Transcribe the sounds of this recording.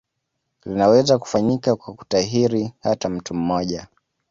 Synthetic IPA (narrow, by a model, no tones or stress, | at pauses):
linawɛzaku̥faɲikakwaku̥taɦiɾihatam̩tum̩mɔʄa